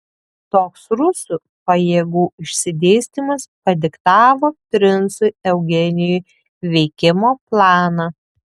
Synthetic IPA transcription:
t̪oːksɾʊsuˑ | pɐjeːɡuːɪʃʲsʲɪd̪ʲeːsʲt̪ʲimɐspɐd̪ʲɪkt̪ɑːʋoːp̪ʲɾʲɪnsʊɪɛʊɡʲɛnʲɪjʊ | ʋʲɛɪkʲɪmoːplˠɑːnɑ

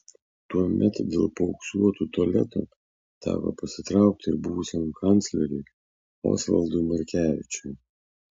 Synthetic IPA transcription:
t̪uɔmʲʔɛt̪d̪ʲḛːlˠpɐʊksuɔt̪uːt̪ɔlʲɛ̰t̪ṵ | t̪ɑ̰ːʋɐ̰pɐsʲɪt̪ɾɑˑʊk̚t̪ʲɪɾbuʋʊsʲɛnukɐnʲt̪sʲlʲɛɾʲu | o̰ːsʋɐ̰lˠd̪umɐɾʲkʲæːʋʲɪt͡ʃʲʊj

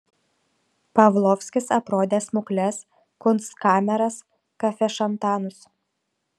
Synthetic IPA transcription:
pɐʋlˠɔfʲsʲkʲɪsɐpɾoːd̪ʲeːsmʊklʲɛs | kʊnt̪skɑːmʲɛɾɐs | kɐfʲɛʃɐnt̪ɑːnʊs

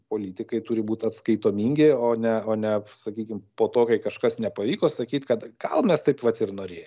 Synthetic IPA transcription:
poːlʲiːt̪ʲɪkɐɪt̪uːɾʲɪbuːt̪ʲɐt̪skɐɪt̪oːmʲiːŋʲɡʲɪoːnʲɛoːnʲɛsɐkʲiːkʲɪmpoːt̪oːkɐɪkɐʃkɐsnʲɛpɐʋʲiːkoːsɐkʲiːt̪ʲkɐt̪ɡ̥ɐlˠmʲɛst̪ɐɪpʋɐt̪ɪrnoːɾʲeːj

